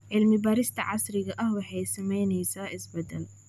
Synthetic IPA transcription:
ʕɪlmɪbɐːɾɪst̪ʰɐʕɑsɾɪɣɐʔɐhwɑħɑjsɐmɛjnɛjsaːʔɪsbɐd̪ɛl

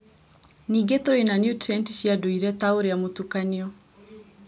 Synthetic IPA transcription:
niɡet̪oɾoinanjutɾɛntiʃiadoiɾɛt̪aoɾeamotukaniɔ

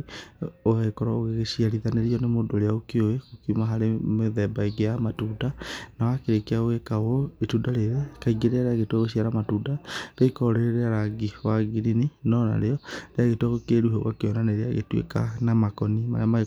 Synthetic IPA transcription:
oaɣekɔɾɔoɣeɣesiaɾiðaneɾiɔnemodoɾeaokeoekokiumaɦaɾemeðɛbaiɡeamatudanawakeɾekeaoɣekawoetudaɾeɾekaiɡeɾeaɾeaɣetwaɣeɕiaɾamatudaɾekɔɾeɾeɾeaɾaɡiwaɡiɾininɔna̰ɾeɔɾeaɣetwaɣokeɾuɦɔwakeɔnaneɾea̰ɣḛtwḛka̰namakɔnima̰ɾama

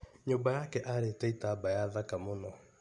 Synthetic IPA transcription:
ɲoːbajakɛʔaɾeːtɛitaːbajaðakamonɔ

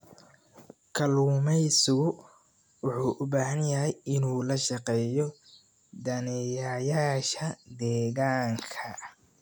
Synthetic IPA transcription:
kʰɐluːmɛjsʊɣʊ | wʊħuːʔʊbaːɦɐnjɐɦɛjɪnuːlɐʃɑqɛːjɔ | d̪ɐnɛjaːjaːʃɐd̪ɛːɣaːŋkʰɐ

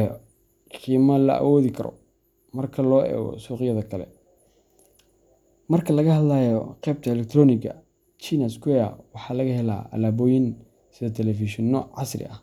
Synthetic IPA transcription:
ɔ | qiːmɐlɐ̰ɐ̰wɔːðikʰɐɾɔ̰ | mɐrkʰɐlɔːʔɛ̰ːɣɔ̰suːqjɐðɐkʰɐlɛ̰ | mɐrkʰɐlɐɣɐhɐdlaːjɔqɛːb̚t̪ʰɐɛlɛk̚t̪ʰrɔːnɪɡɐ̰ | t͡ʃiːnɐskwɛɐ̰wɑħɑːlɐɣɐhɛla̰ːʔɐ̰laːbɔːjɪn | sɪðɔt̪ʰɛlɛfiʃɪnːɔʕɑsrɪ̰ɐ̰h

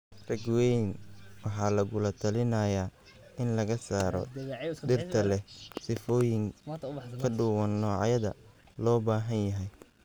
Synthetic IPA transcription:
rɐɡwɛnwɑħɑːlɐɣʊlɐt̪ʰɐlɪnɐjaː | ɪnlɐɣɐsaːɾɔ̰d̪ɪrt̪ʰɐlɛhsɪfɔːjɪŋkʰɐɖʊwɐnːɔːʕ̰jɐðɐ̰ | lɔːbaːɦɐnjɐɦɛj

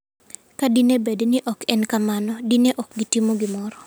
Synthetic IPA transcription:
kadinebednɪʔɔkɛnkamanɔdineʔɔkɡitimoɡɪmɔɾɔ

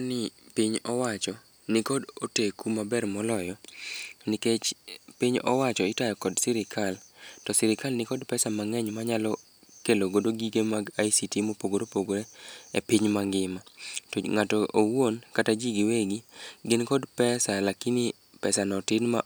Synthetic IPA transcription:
nɪpiɲɔwat͡ʃɔ | nɪkɔdotekumabɛrmɔlɔjɔ | nɪket͡ʃpiɲɔ̰wat͡ʃɔɪtajɔkɔdsɪɾɪkʰaltɔsɪɾɪkalnɪkɔdpɛsamaŋɛɲmaɲalɔ | keloɡodoɡiɡemaɡaisitimopoɡoɾopoɡoɾeḛpiɲmaŋɡɪmatoŋatɔʔowonkatad͡ʒiɡiweɡiɡɪnkɔdpɛsalakini | pɛsanɔtɪnma̰

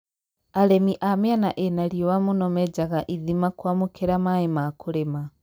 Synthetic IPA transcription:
alɛmiʔameanaʔenaɾiɔwamunɔmɛd͡ʒaɣaʔiðimakwamukʰeɾamaemakuɾema

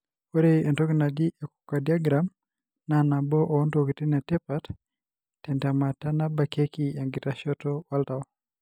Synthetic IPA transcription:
oɾeɛntɔkinaɡiʔeku̥kadiaɡɾam | nanabɔʔɔːndokitinatɛpat | tːɛndamatanabakekiaŋɡitaʃɔtɔwaltaɔ

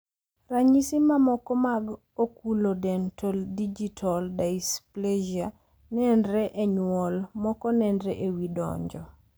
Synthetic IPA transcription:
raɲisimamɔkɔmaɡ | okulodɛntʰɔldid͡ʒitʰɔldaispled͡ʒia | nɛndɾɛʔɛɲwɔlmɔkɔnɛndɾɛʔewidɔ̰ɲd͡ʒɔ

